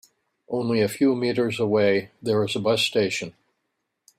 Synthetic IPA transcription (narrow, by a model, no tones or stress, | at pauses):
ʔõʊ̃nliɨfjumiɾə˞zəweɪðə˞ɨzəbʌsteɪʃɨ̃n